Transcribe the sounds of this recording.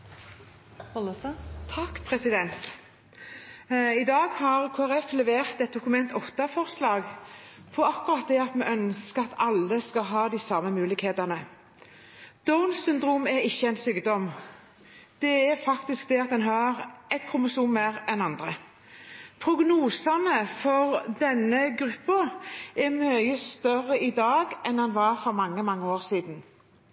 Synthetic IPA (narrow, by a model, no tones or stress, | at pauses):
t̪ʰɑkpʰɾɛsɪd̪ɛnt̪ | ɪd̪ɑːɡhɑʁkʰoːæɾɛflɛʋeːʁt̪ɛt̪̚d̪ʊkʉmɛnt̪ɔft̪ɑfɔʁslɑːɡ | pʰɔɑkʊɾɑt̪̚d̪ɛɑt̪mɛʔœnskəɑt̪ɑlːəskɑɦɑːd̪ɪsɑməmʉːlɪkheːt̪ɑnə | d̪̥ɔʊnsʏnd̪ʁuːmɛɾɪçːəɛnsyːɡd̪ɔm | d̪̥ɛæɾfɑkt̪ɪsk̚d̪ɛɑt̪̚d̪ɛnɦɑːɾɛt̪kʰʊmʊʂuːnmæɾɛnɑnd̪ɾə | pʰɾʊɡnuːsɑnəfɔɾd̪ɛnːəɡɾʉpːɑɛɾmœʏəst̪œrəɪd̪ɑːɡɛnɑnʋɑɾfɔɾmɑŋːəmɑŋːəoːɾsiːd̪n̩